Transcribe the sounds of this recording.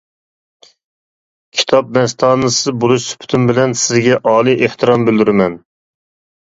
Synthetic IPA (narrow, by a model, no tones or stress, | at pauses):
kʲʰi̥t̪ʰɑp̚nɛst̪ʰɑːnɨsɨbolˠuʃsy̥pʰɪ̥t̪ʰymbɪlɛnsɪzɡʲɛʔɑːlˠijʔeht̪ʰɨɾɑmbɪld̪yɾɪmɛn